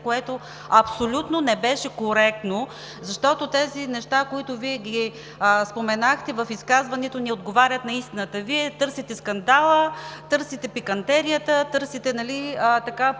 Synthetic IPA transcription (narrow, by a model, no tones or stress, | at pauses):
koɛt̪o | ɐpsolʲut̪nonɛbɛʃɛkoɾɛk̚t̪no | zɐʃt̪ɔt̪ot̪ɛzinɛʃt̪akoit̪ʊviɛɡʲi | spomɛnaxt̪ɛvəfiskazvɐnɛt̪oniod̪ɡovaɾʲjɐt̪nɐist̪inət̪əviɛt̪ɤɾsit̪ɛskɐnd̪alˠət̪ɤɾsit̪ɛpikɐnt̪ɛɾijət̪ət̪ɤɾsit̪ɛnɐliət̪ɐka